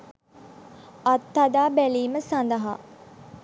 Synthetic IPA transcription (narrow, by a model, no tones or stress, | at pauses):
at̪ːad̪aːbæliːməsand̪əɦa̰